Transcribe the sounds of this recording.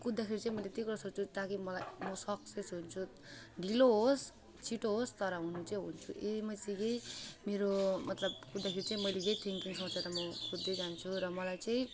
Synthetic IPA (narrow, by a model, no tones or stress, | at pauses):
kud̪ːakʰeɾit͡sãĩmʌjlet̪jikuɾʌsot͡sʰut̪akimʌlajmʌsʌksesɦunt͡sʰu | ɖʱiloɦos | t͡sʰiʈoɦost̪ʌɾʌɦunut͡saĩɦunt͡sʰuʔemʌsiɡejmeɾomʌt̪lʌbkud̪ːakʰeɾit͡saĩmʌjleɡejt̪ʰiŋkiŋsʌt͡sʰʌɾʌmʌkud̪ːed͡zant͡sʰuɾʌmʌlajt͡saĩ